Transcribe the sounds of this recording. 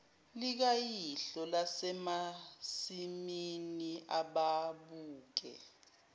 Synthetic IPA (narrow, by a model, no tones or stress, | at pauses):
lik̬ajiɬɔlasɛmasiminiʔaɓaɓuːk̬ɛ̰